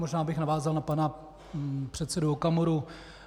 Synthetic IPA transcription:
moʒnaːbɪxnavaːzalnapana | pr̝̥ɛt̪sɛduokamoɾu

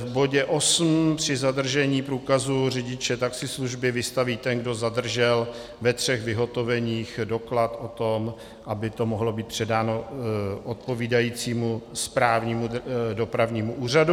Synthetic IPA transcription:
vbo̞ɟɛʔo̞sm̩pr̝̥ɪzad̪r̩ʒɛɲiːpɾuːkazurɪɟɪt͡ʃɛt̪aksɪsluʒbɪvɪst̪aviːt̪ɛnɡdo̞zad̪r̩ʒɛl | vɛt̪r̝̥ɛɣvɪɦo̞t̪o̞vɛɲiːxdo̞klat̪ʔo̞t̪o̞m | ʔabɪt̪omoɦlo̞biːt̪pr̝̥ɛdaːno̞ʔot̪̚po̞viːdajiːt͡siːmuspɾaːvɲiːmudo̞pɾavɲiːmuʔuːr̝adu

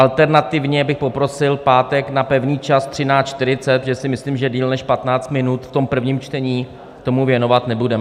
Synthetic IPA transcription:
ʔalt̪ɛɾnat̪ɪvɲɛbɪxpo̞pɾo̞sɪlpaːt̪ɛknapɛvɲiːt͡ʃast̪r̥ɪnaːt͡ʃt̪ɪɾɪt͡sɛt̪ʒɛsɪmɪsliːmʒɛdiːlnɛʃpat̪naːt͡st̪mɪnut̪ft̪o̞mpr̩vɲiːmt͡ʃt̪ɛɲiː | kt̪o̞muvjɛno̞vat̪nɛbudɛmɛ

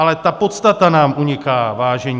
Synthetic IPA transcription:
alɛt̪apo̞t̪st̪at̪anaːmʔuɲɪkaːvaːʒɛɲ

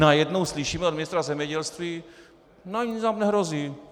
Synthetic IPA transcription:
najɛdno̞wslɪʃiːmɛod̪mɪnɪst̪ɾazɛmɲɛɟɛlst̪viː | naɲinamnɛɦɾoziː

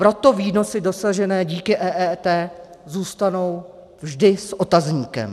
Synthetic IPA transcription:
pɾo̞t̪o̞viːno̞sɪdo̞saʒɛnɛːɟiːkɪʔɛːʔɛːt̪ɛːzuːst̪ano̞w | vʒdɪsʔo̞t̪azɲiːkɛ̰m

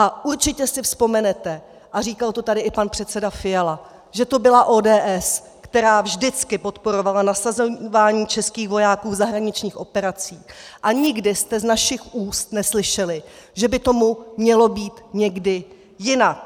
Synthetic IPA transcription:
ʔaʔuɾt͡ʃɪcɛsɪfspo̞mɛnɛt̪ɛ | ʔariːkalt̪o̞t̪adɪʔɪpanpr̥ɛt̪t͡sɛdafɪjala | ʒɛt̪o̞bɪlaʔo̞ːdɛːʔɛs | kt̪ɛɾaːvʒdɪt͡skɪpo̞t̪po̞ɾo̞valanasazovaːɲiːt͡ʃɛskiːxvo̞jaːkuːvzaɦɾaɲɪt͡ʃɲiːxʔo̞pɛɾat͡siːʔaɲɪɡdɪst̪ɛznaʃɪxʔuːst̪nɛslɪʃɛlɪʒɛbɪt̪o̞mumɲɛlo̞biːt̪ɲɛɡdɪ | jɪnak̚

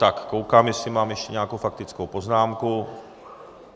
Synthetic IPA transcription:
t̪akkowkaːmjɛsɪmaːmjɛʃcɛɲɛakowfak̚t̪ɪt͡skowpoznaːmku

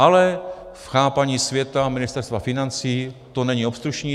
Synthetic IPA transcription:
ʔalɛ | fxaːpaɲiːsvjɛt̪amɪnɪst̪ɛɾst̪vafɪnant͡siːt̪onɛɲio̞pst̪ɾuʃɲiː

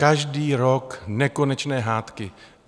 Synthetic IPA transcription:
kaʒdiːɾoknɛkonɛt͡ʃnɛːɦaːt̪kɪ

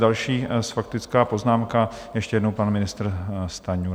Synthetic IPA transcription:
dalʃiːsfak̚t̪ɪt͡skaːpo̞znaːmkajɛʃcɛjɛdnowpanmɪnɪst̪ɾst̪aɲu

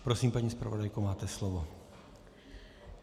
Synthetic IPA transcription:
pɾɔsiːmpaɲispɾa̰ʋɔd̪ajkumaːt̪ɛslɔʋɔ

